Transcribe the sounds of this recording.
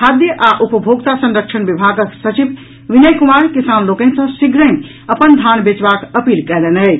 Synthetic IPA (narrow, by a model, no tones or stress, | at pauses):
kʰad̪jəʔaʔupəbʱoɡt̪asə̃nɾəkʃʰənbibʱaɡsət͡ʃib | ʋinəjkumaɾkisanlokɛnsə̃siɡɾə̃ | əpənd̪ʱanbet͡ʃbakəpilkɛlenɛj